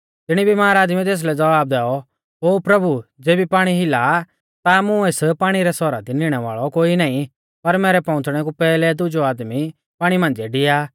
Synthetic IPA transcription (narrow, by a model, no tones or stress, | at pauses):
t̪ɪɽ̃ibimaːɾaːd̪mit̪̬eːs̬lɛd͡zɐbaːb̚d̪ɛːɔ | ɦoːpɾɐbud͡zeːbipaːɽ̃iɦɪla | t̪amʊ̃eːspaːɽ̃iɾɛsɔɾa̰d̪inɪɽ̃ɛʋa̰ːɭɔkoːinãːĩ | pɐɾmɛːɾɛpɔ̃ːʊ̃t͡sɽ̃ɛk̬upɛːlɛd̪ʊd͡ʒoaːd̪mi | paːɽ̃imãːnd͡zeɖɪjaː